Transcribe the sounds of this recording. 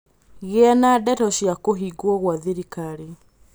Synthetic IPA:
ɣeɛnadɛtɔɕjakoɦiɡwɔɣwaðiɾikaɾe

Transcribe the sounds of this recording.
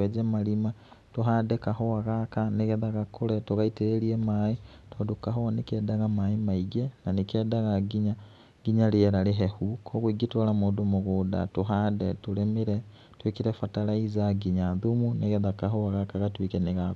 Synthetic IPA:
ed͡ʒemalimatuɦadekahowaɣakaniɣɛðaɣakʰuletuɣaiteɾeliemai | twodukaɦoanikeːdaɣamaimaiɡenanikedaɣaɡiɲa | ɡ̥iɲalieɾaleɦehukʰoɣwiɡitolamudumuɣuda̰tuɦadetulemiɾe | twikiɾefatalaizaɡiɲaðumuneɣɛðakaɦoaɣakaɣatwikeniɣa

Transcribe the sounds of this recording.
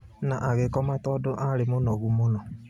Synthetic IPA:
naʔaɣekɔmatɔdʊʔaɾɪmʊnɔɣumʊnɔ

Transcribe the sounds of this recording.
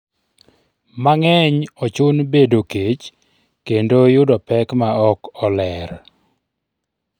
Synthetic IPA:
maŋɛɲɔt͡ʃʊnbedoket͡ʃ | kendojʊdɔpɛkmaɔkɔlɛɾ

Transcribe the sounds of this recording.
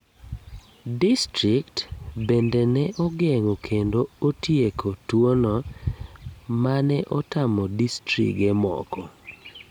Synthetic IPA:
distɾiktbendenɛʔɔɡeŋokʰendootjekʰotwonɔ | manɛʔɔtamɔdistɾḭɡɛmɔ̰kɔ

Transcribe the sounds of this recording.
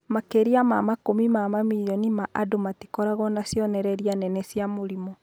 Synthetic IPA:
makeɾiamamakomimamamiɾijɔnimaʔadomatikɔɾaɣɔnasjɔnɛɾɛɾianɛnɛsjamoɾimɔ

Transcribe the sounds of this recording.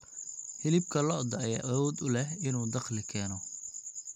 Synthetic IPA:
hɪlɪb̚kʰɐlɔɔd̪ɐɐja̰ːʔɐwɔːd̪ʊlɛɦɪnuːd̪ɑqlɪkʰɛːnɔ

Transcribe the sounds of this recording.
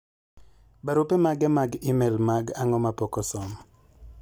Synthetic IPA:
baɾupemaɡɛmaɡimɛlmaɡaŋɔmapɔkɔsɔm

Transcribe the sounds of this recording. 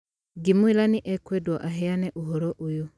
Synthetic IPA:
ɡimuilaniʔɛkwɛdwaʔaɦɛjanɛʔuɦɔɾɔʔuju

